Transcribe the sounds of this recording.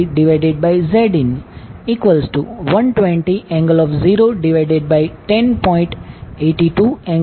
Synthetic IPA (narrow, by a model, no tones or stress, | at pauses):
ɖɪʋaɪɖeɖ̚baɪzeɖĩniːkʋəlsʈuʋʌ̃nʈʋẽɳʈiʔɛ̃ŋɡəlɔːʋziːɾoːɖiʋaɪɖeɖ̚baɪʈẽnpɔ̃ɪ̃ɳʈeːʈiʈuːɛ̃ŋ